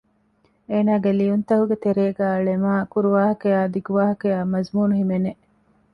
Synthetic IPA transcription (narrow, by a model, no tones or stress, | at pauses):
eːnaːɡelijunt̪ɐɦuɡet̪eɾeːɡæːɐɭemaːkuɾuʋaːɦɐkejaːd̪iɡuʋaːɦɐkejaːmɐzmuːnuɦimeneʔ